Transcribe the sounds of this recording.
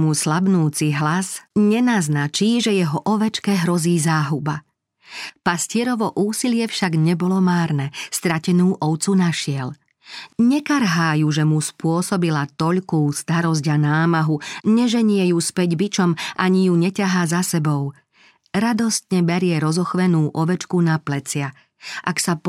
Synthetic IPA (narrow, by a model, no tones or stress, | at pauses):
muslabnuːt͡siɦlazɲɛnaznat͡ʃiːʒɛjɛɦɔʔɔʋɛt͡ʃkɛɦɾɔziːzaːɦuba | pascɪɛɾɔʋɔʔuːsilɪɛfʃaɡɲɛbɔlɔmaːɾnɛst̪ɾacɛnuːʔɔʊt͡sunaʃɪɛl | ɲɛkaɾɦaːjuʒɛmuspʊɔsɔbilat̪ɔʎkuːst̪aɾɔz̬ɟanaːmaɦuɲɛʒɛɲɪɛjuspɛɟbit͡ʃɔmʔaɲijuɲɛcaɦaːzasɛbɔʊ | ɾad̪ɔst̪ɲɛbɛɾɪɛɾɔzɔxʋɛnuːʔɔʋɛt͡ʃkunaplɛt͡sɪa | ʔaksap